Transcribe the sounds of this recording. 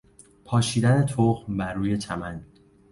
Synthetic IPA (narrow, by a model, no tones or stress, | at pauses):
pʰɒːʃiːd̪æne̞t̪ʰoɣmbæɾːuːje̞t͡ʃ̪ʰæmæn